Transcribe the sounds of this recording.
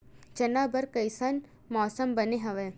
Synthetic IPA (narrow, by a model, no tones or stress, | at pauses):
d͡ʒɐnaːbɐɾkɐɪsɐn | mɔːsəmbɐneɦɐʋeː